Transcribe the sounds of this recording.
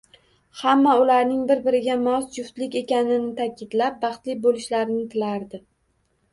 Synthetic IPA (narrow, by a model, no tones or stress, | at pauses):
hamːaʊlaɾnɪŋbɪɾbɪɾɪɡʲamɒsd͡ʒʊft̪lɪkʲe̞kʲanɪnɪt̪ʰakʲɪd̪lap̚bɑχt̪lɪk̚ʲbolɪʃlaɾɪnɪt̪ʰɪlaɾd̪ɪ